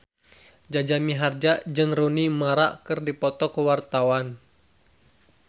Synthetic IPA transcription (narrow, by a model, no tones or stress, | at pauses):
d͡ʒad͡ʒamiɦard͡ʒad͡ʒɨŋrunimaɾaʔkɨrdipɔt̪ɔkəwart̪awan